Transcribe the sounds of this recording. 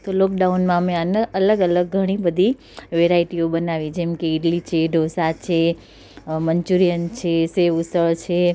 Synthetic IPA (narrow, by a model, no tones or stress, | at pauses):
t̪olɔkɖaunmãmẽanəələɡələɡ̚ːʱəɽ̃ibəd̪ʱi | ʋeɾaiʈiobənaʋĩd͡ʒɛmkeiʈlit͡ʃʰeɖʱosat͡ʃʰe | məɲt͡ʃuɾijənt͡ʃʰeseʋusəɭt͡ʃʰe